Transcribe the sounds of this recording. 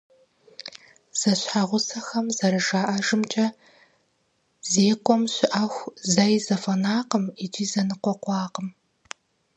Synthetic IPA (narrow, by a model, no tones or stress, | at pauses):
z̥ɐɕħaʁʷʊsɐxɐmzɐɾɨʒaːʔɐʒɨmt͡ʃʼɐ | zeːkʷʼɔmɕɪʔɐxʷzajzɐfɐnaːqəmid͡ʒʼiːzɐnɨqʷɔqʷɑːqəm